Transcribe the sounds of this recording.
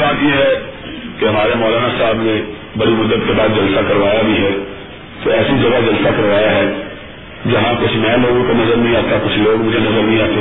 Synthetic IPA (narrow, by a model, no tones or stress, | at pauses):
baːt̪jeɦɛː | keɦɐmaːɾemɔːlaːnasaːbnẽ | bɐɽimʊd̪ːət̪kebaːd̪̚d͡ʒəlsakɐɾʋaːjabʱiɦɛː | t̪oɛːsid͡ʒɐɡad͡ʒɐlsakəɾʋaːjaɦɛː | d͡ʒɐɦãkʊt͡ʃʰmɛ̃ːloːɡõkonɐzəɾnəɦĩaːt̪akʊt͡ʃʰloːɡmʊd͡ʒʱenɐzəɾnə̃ɦĩaːt̪e